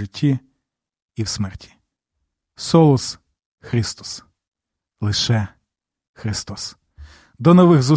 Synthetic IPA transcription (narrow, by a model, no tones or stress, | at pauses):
ɪtʲʰːi | iwsmɛrtʲi̥ | sɔlˠɔs | xɾɪst̪ɔ̥s | lˠɪʃɛ | xɾɪst̪ɔs | d̪ɔnɔʋɪɣzʊ